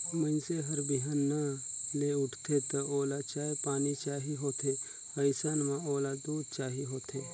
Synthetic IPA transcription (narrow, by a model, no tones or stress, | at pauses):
mə̃nseɦəɾbiɦanːaleʊʈʰt̪et̪əoːlat͡ʃaːɦepaːnit͡ʃaːɦiɦoːt̪ʰe | əjsanmãoːlad̪uːd̪t͡ʃaːɦiɦoːt̪ʰe